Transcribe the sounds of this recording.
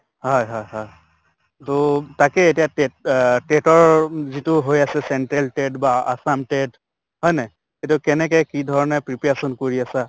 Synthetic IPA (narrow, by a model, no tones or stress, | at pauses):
hɔjɦɔjɦɔj | totakɛetijatɛtetɔɹzitʊɦojasɛsɛnʈɛlʈɛdbaa̰samʈɛd | ɦɔjnɛ | etukɛnɛkɛkidʱɔɹɔnɛpɹipɛasɔnkoɹiasa